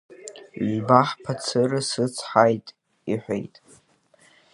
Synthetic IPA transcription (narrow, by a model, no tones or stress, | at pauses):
baħpʰat͡sʰɨɾɨsɨt͡sʰħajtʼ | iħʷḛjtʼ